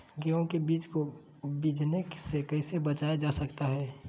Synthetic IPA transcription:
ɡeõkebiːt͡ʃko | bid͡ʒʱneksekəɪsebət͡ʃaːjad͡ʒaːsəkt̪aɦɛː

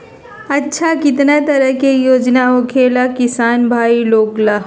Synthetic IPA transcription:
ɐtːʃʰakɪt̪nat̪ɐɾəɦkejoːd͡ʒnaokʰeːlakɪsaːnbʱaːiloːɡla

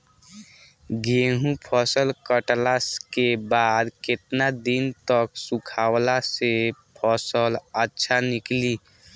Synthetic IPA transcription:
ɡeɦũpʰɔsəlkəʈlaskebaːd̪kɪt̪nad̪int̪əksukʰawlasepʰɔsələtːʃʰanikli

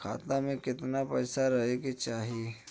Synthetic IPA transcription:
kʰa̰ːt̪amẽkɪt̪napɛːsaɾɐɦeɡet͡ʃaːɦie

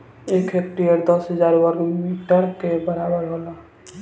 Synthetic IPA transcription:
eːkʰek̚ʈijəɾd̪əsɦəzaːɾwəɾɡmiʈəɾkebəɾaːbəɾɦoːla

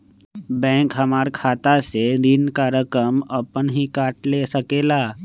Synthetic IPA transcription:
bɛ̃ːŋkɦəmaːɾkʰaːt̪aseɾinkaɾəkɾəməpənɦikaːʈlesəkeːlaː

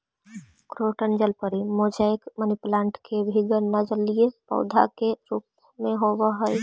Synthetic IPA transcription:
kɾoːʈənd͡ʒəlpəɾimod͡ʒajkməniplãːɳʈkʰebʱiɡəɾnad͡ʒəlijepɔ̰ʊd̪ʱa̰keɾuːp̚ | mẽɦowəɦəj

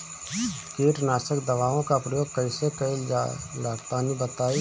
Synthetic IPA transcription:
keːʈnaːsəkd̪ɐʋaːõkapɾəjoːɡ̚kəɪsekəɪlalaːɾt̪aːnibət̪aːi

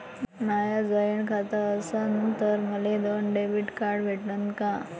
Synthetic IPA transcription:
najad͡zəjəɳkʰat̪aːsənt̪əɾməled̪onɖebiʈkaɾɽʋʱeʈnənkã

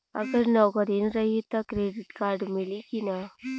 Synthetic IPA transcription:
ə̰ɡəɾnɔɡɔɾinɾəɦit̪akɾeɖiʈkaɾɖmilikina

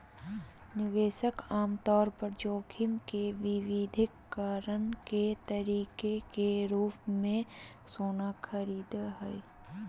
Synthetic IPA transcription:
nɪʋeːʃəkaːmt̪ɔːɾpəɾd͡ʒoːkʰɪmkeʋɪʋɪd̪ʱɪkːaːɾənket̪əɾiːkekeɾuːpmẽ | soːnakʰəɾiːd̪ɦɛj

